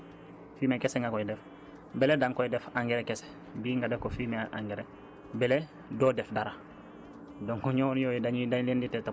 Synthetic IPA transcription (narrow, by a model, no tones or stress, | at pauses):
fiːmekeseŋɡakoidef | beledaŋkodefãŋɡeɾekese̥ | biːŋɡadefkofimeʔã̰ŋɡeɾe | bele | doːdefdaɾa | doŋkuɲonjoːjidaɲidaɲlinditeta